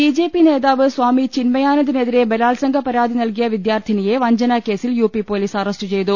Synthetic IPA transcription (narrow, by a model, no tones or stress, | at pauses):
bid͡ʑe̞ːpːine̞ːðaːʋɨsʋaːmit͡ɕinmɐjaːnɐðine̞ðiɾe̞belaːlsɐŋɡʱɐpɐɾaːd̪ʱinɐlk̬ijɐʋid̪jaːrt̪ʰinije̞ʋɐɲd͡ʑɐnake̞ːsiljuːpipo̞ːliːsɐrɐsʈɨt͡ɕe̞jt̪u